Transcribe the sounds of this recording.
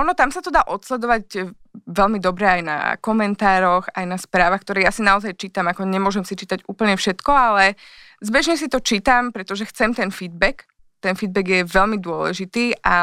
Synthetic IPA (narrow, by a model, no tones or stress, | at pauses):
ʔɔnɔt̪amsat̪ɔd̪aːʔɔt̪slɛd̪ɔʋaɟ | ʋɛlmid̪ɔbɾɛajna̰kɔmɛnt̪aːɾɔxa̰jnaspɾaːʋaxkt̪ɔɾɛːjasinaɔzajt͡ʃiːt̪amakɔɲɛmʊɔʒɛmsit͡ʃiːt̪aɟuːpl̩ɲɛfʃɛt̪kɔalɛ | zbɛʒɲɛs̬it̪ɔt͡ʃiːt̪ampɾɛt̪ɔʒɛxt͡sɛmt̪ɛnfiːd̪̚bɛk | t̪ɛnfid̪bɛɡjɛʋɛlmid̪ʊɔlɛ̰ʒit̪iːʔa